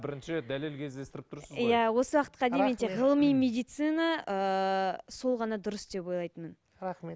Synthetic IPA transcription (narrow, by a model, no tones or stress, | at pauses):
bɪɾɪnʃd̪æle̞lkʲʰe̞zd̪e̞st̪ɪɾɪp̚t̪ʰʊɾsəzjæwo̞səwɑqət̪̚qɑd̪ement̪eʁəlˠəmijme̞d̪ijt̪sɨnaə | so̞lˠʁɑnɑd̪ʊɾəsd̪e̞po̞jlˠɑjt̪əmən | ɾɑχme